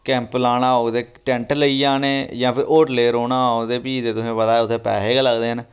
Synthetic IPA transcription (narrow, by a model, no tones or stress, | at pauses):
kɛ̃ːmplaːnãːod̪eːʈɛ̃ːɳʈləiːãːnẽːd͡ʒãːpʰɪɾʔoːʈleːɾoːnãːaod̪eːpiːd̪eːt̪ʊsẽːʋəd̪aːɛːʊt̪ʰːeːpɛ̰ːɦeːɡaːləɡd̪eːɦən